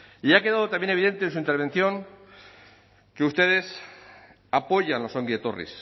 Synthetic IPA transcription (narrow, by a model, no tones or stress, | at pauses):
iakeðað̞o̞t̪amjeneiðe̞nt̪ens̬uint̪e̞ɾβ̞e̞nθjo̞ŋ | keust̪e̞ðe̞s | apo̞ʝanlo̞so̞ŋɡiðet̪o̰rḭs